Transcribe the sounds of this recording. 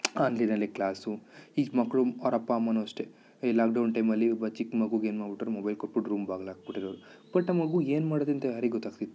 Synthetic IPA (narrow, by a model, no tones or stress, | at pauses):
aːnlɐjnɐlːiklaːsuiːɡmɐkːɐɭuɔɾɐpːaːmːɐnoɐʂʈe | laːk̚ɖɐwnʈɐjmɐlːibɐt͡ʃikːmɐɡuɡe̞ːnmaːɾbiʈːɐɾemobɐjlkoʈ̚biʈɾuːmbaːɡlaːɡ̚biʈːiɾɐːɾu | b̥ɐʈːnɐmɐɡue̞ːnmaːɽod̪eɐnt̪ɐjaːɾeɡɡɔt̪ːaːɡt̪it̪ːu